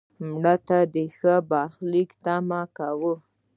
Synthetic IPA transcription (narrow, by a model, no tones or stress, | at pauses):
mɽat̪ad̪əxəbɑxlikt̪amakawu